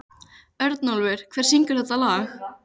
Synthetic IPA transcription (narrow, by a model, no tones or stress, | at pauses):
œɾt̪nɔlvɪɾ̥kʰv̥ɛːɾ̥siŋkʏɾ̥θɛt̪alaːx